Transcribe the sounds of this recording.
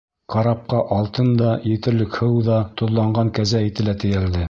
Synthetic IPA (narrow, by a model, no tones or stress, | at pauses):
qɑɾɑp̚qɑʔɑlˠt̪ɤnd̪ɑjɘ̆t̪ɘ̆ɾlɘkhɤwðɑt̪ŏðlˠɑɴɢɑŋkæzæit̪ɘ̆læt̪ɘ̆jæld̪ɘ